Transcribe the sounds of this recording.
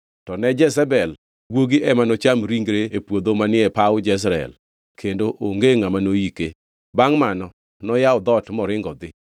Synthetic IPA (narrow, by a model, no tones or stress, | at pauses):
tɔnɛd͡ʒɛs̬ɛbɛl | ɡwoɡiʔɛmanot͡ʃamɾiŋɡɾeepwod̪omanɪɛpawʊd͡ʒɛs̬ɾaɛ̰l | kʰendoʔoŋɡeŋamanojike | baŋmanɔ | nɔjaɔd̪ɔtmɔɾɪŋɡɔd̪ɪ